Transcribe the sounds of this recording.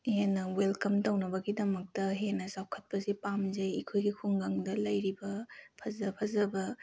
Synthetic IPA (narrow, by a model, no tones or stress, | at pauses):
henːɐwelkɐmtɐwnɐbɐɡidɐmɐk̚tɐɦenɐsawkʰɐt̚pɐsipamzejɐkʰojɡikʰuŋɡaŋdɐlɐjɾibɐpʰɐzɐpʰɐzɐbɐ